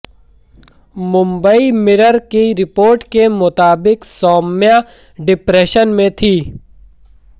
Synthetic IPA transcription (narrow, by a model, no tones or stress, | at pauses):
mʊ̃mbəimɪɾəɾkiɾɪpoːɾʈkemʊt̪aːbɪksɔːmja | ɖɪpɾeːʃənmẽt̪ʰiː